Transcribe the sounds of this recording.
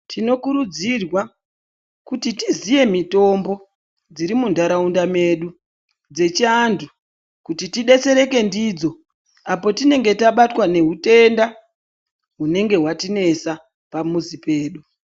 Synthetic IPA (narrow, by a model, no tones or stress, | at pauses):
tʰino̞kuɾud͡zirwa | kutitizije̞mito̞mbo̞ | d͡ziɾimundaɾaundame̞ɗu | d͡ze̞t͡ʃiandʰu | kutitiɗe̞se̞ɾe̞ke̞ndid͡zo̞ | apo̞tine̞ŋɡe̞taɓatwane̞ɦute̞nda | ɦune̞ŋɡe̞ɦwatine̞sa | pamuzipe̞ːɗu